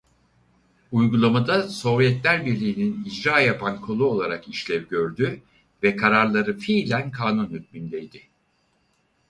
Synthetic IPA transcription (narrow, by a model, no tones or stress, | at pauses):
ujɡulˠamad̪aso̞vjɛt̪lʲæɾbiɾlʲiːninid͡ʒɾaːjapʰankʰo̞lˠuo̞lˠaɾakiʃlʲɛvɟø̞ɾd̪y | vɛkʰaɾaɾlˠaɾɯfiːlʲænkʰaːnunhyt̪̚mynd̪ɛjd̪ɪ